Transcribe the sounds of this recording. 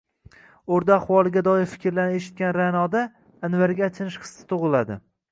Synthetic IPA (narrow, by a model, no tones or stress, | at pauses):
oɾd̪aːχwɒlˠɪɡʲad̪ɒɪɾfɪ̥kʲɪɾlaɾnɪeʃɪ̥t̪̚kʲanɾanɒd̪aː | nvaɾɡʲat͡ʃ̪ʰɪnɪʃχɨ̥sːɪ̥t̪ʰʊʁɨlad̪ɪ̰